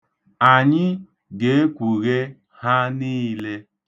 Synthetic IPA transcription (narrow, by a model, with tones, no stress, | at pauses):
a˨ɲɪ˦ | ɡe˨˦e˦kʷu˨ɣe˦ | ha˦niː˦le˦